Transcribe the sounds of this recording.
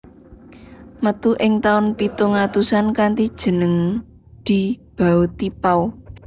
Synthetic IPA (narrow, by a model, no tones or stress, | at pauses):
mət̪uʔɪŋt̪aʊnpit̪uŋat̪usankant̪id̥ʒ̥ə̤nəŋ | d̪̥i̤b̥a̤ut̪ipau